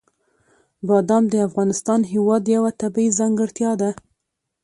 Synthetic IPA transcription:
bɑd̪ɑmd̪əafɣɑnɪst̪ɑnɦɪwɑd̪jawat̪abaizɑŋɡəɽt̪jɑd̪a

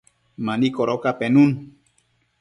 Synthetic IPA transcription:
mãnikoɾokapenũn

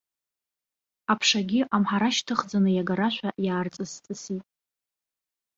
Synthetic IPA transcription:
apʰʂaɡʲɪʔamħaɾaʃtʰɨχd͡zanɨjaɡaɾaʃʷaʔjaːrt͡sʼɨst͡sʼɨsitʼ

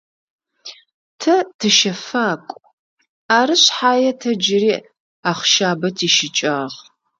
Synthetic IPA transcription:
tʰɐtʰɨʃɐfaːkʷʼ | aːɾɨɕħaːjɛtʰɐd͡ʒɪriː | aːχʃaːbɐtʰiːʃɪt͡ʃʼaːʁ

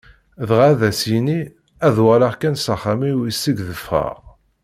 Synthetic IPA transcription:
ðʁaðæsini | æðwælaʁkænsəχːamiwisːiɡðəfə̰ʁ

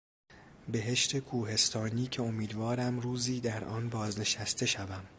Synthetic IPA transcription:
be̞ɦe̞ʃt̪ʰe̞kʰuːɦe̞st̪ʰɒːniːcʰe̞o̞miːd̪vɒːɾæmruːziːd̪æɾʔɒːnbɒːzne̞ʃæst̪ʰe̞ʃævæm

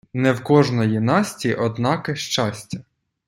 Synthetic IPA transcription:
nɛwkɔʒnɔjinɑsʲtʲiʔɔd̪nɑkɪʃt͡ʃɑsʲtʲɐ

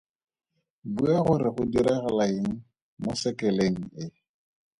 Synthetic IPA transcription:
buaχʊɾɪχʊdiɾɛɣalaiŋ̩ | mʊsɛkɛleŋ̩ɪ

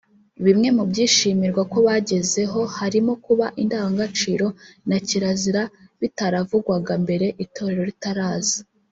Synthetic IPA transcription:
βimŋe̞mubɟiːʃiːmiɾɡwako̞βaɟe̞ze̞ɦo̞haɾimo̞kuβaʔindaːwaŋɡat͡ʃiːɾo̞naciɾaziɾaβitaɾavuɡwaɡambe̞ɾe̞ʔitʰo̞ɾe̞ɾo̞ɾitaɾaːzi

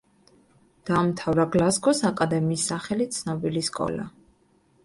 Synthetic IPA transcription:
d̪̥amt̪ʰavɾaɡlasɡɔsakʼad̪ɛmiːsːaχɛlit̪sʰnɔbiliskʼɔ̰la̰

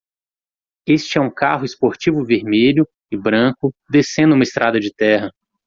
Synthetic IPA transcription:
est͡ʃɪɛũka̰ɦʊɪspoɾt͡ʃivʊveɾmeʎʊ | ɪbɾɐ̃kʊd̪esẽnd̪ʊũmɐɪst̪ɾʔad̪ɐd͡ʒɪt̪ɛɦɐ

